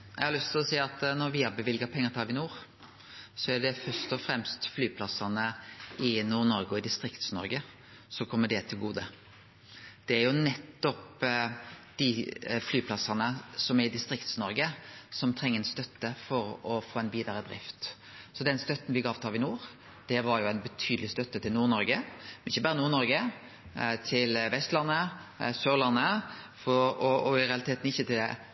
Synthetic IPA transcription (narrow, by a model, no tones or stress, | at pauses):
jɛ̰ɡhɑɾlʏst̪ʰɪlɔsiːɑt̪nɔɾʋɪhɑbəʋɪlɡəpʰɛŋːəɾt̪ʰɑːlʋɪnuːɾ | sɔæɖɛfœɾst̪ɔfɾɛmst̪flyːpʰlɑsɑnəɪnuːnɔɾɡəɔɪd̪ɪst̪ɾɪkt̪snɔ̰ɾɡə | sɔkʰɔmːəɖɛt̪ʰɪlɡuːd̪ə | d̪̥ɛæɾjʊnɛt̪ːɔp | d̪̥ɪflyːpʰlɑsːɑnəsɔmæɾɪd̪ɪst̪ɾɪkt̪snɔɾɡəsɔmt̪ʰʁɛŋːəɛnst̪œt̪ːəfɔɾɔfoːæɪnʋiːd̪əɾəd̪ɾɪ̰ft̪ | sɔd̪ɛnst̪œt̪ːn̩ʋɪɡɑːʋt̪ʰɑːlʋɪnuːɾ | d̪̥ɛʋɑɾʁjʊæɪnbət̪ʰyːd̪əlɪst̪œt̪ːət̪ɪlnuːʁnɔɾɡəmɛnɪçːəbɑːɾənuːʁnɔɾɡə | t̪ʰɪlʋɛst̪lɑnːəsøːʁlɑnːə | fɔɔɔɪɾɛɑlɪt̪eːt̪n̩ɪçːət̪ʰɪl̰